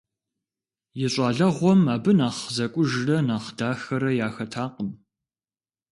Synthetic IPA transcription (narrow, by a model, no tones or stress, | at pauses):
jɪɕʼɑːɮɐʁʷɔmaːbɨnaːχzɐkʷʼʊʒrɐnaːχdaːxɐɾɐjaːxɐtʰaːqəm